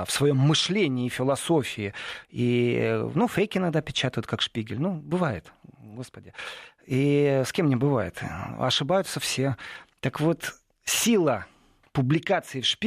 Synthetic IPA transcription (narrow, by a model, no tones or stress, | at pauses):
fsvɐjo̞mːɨʂlʲenʲɪːfʲɪlˠɐsofʲɪɪḭnufejkʲɪnaɡd̪apʲɪt͡ɕat̪əjɪt̪kakʂpʲiɡʲɪlʲnubɨvajɪt̪ɡo̞spədʲɪ | iskʲemːnʲɪbɨvajɪ̰t̪ɐ̰ʂɨbajʊt̪səfsʲe̞t̪əkvo̞t̪ | sʲilˠə | pʊblʲɪkat̪sɨɪfʂpʲ